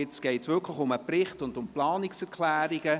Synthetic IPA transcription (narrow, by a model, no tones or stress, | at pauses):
ɪt͡sɡ̥ɛɪtsʋɪkʰləxʊməprɪχtʊndʊmplɑːnɪksɛɾkʰlæːɾiɡə